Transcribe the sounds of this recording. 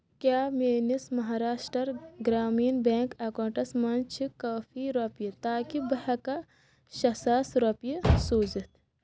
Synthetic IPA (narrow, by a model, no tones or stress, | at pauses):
kjaːmeːnismɐɦaːɾaːʃʈɾɐɾɡɾaːmiːnbẽːŋkɐːkoːɳʈɐsmɐnt͡ʃʰikaːfiɾɐpijit̪aːkibɐɦɐkɐ | ʃɐsaːsɾɐpijisoːd͡ʒit̪ʰ